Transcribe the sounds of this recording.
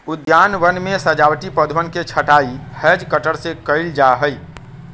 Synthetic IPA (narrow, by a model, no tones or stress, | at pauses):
ud̪janʋənmesəd͡ʒawʈipəd̪ʱʋənket͡ʃʰəʈaihəd͡ʒkəʈəɽsekəɪld͡ʒaɦəj